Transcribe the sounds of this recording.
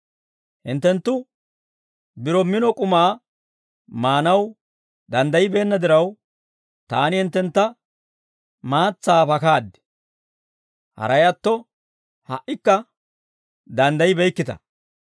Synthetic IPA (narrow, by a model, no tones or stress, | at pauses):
hɪnt̪ːɛnt̪ːʊ | bɪɾɔmːɪnɔkʼʊmaː | maːnɐw | d̪ɐnd̪ɐjɪbe̞ːnːɐd̪ɪɾɐw | t̪aːnɪhɪnt̪ːɛnt̪ːɐ | maːt͡sːaːpɐkaːd̪ɪ̥ | hɐ̰ɾɐjɐt̪ːɔ | hɐʔɪkːɐ | d̪ɐnd̪ɐjɪbɛjkːɪt̪ɐ̰